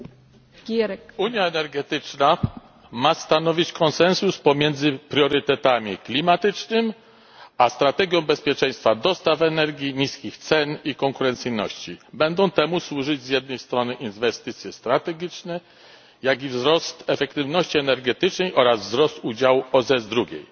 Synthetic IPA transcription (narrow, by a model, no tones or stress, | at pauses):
uɲjaɛnɛɾɡɛt̪ɘt͡ʂna | mast̪anɔvʲit͡ɕkɔnsɛnsuspɔmʲjɛnd̪zɘpɾʲjɔɾɘt̪ɛt̪amʲiklʲimat̪ɘt͡ʂnɘm | ast̪ɾat̪ɛɡʲjɔ̃w̃bɛspʲjɛt͡ʂɛ̃j̃st̪fad̪ɔst̪afɛnɛɾɡʲjiɲiskʲixt̪sɛnikɔŋkuɾɛnt̪sɘjnɔ̰ɕt͡ɕibɛnd̪ɔ̃w̃t̪ɛmuswuʐɘd͡ʑzʲjɛd̪̚nɛjst̪ɾɔnɘʔinvɛst̪ɘt̪sʲjɛst̪ɾat̪ɛɡʲit͡ʂnɛ | jaɡʲivzɾɔst̪ɛfɛkt̪ɘvnɔɕt͡ɕiɛnɛɾɡɛt̪ɘt͡ʂnɛjʔɔɾazvzɾɔst̪ud͡ʑawuɔzɛzd̪ɾuɡʲḛj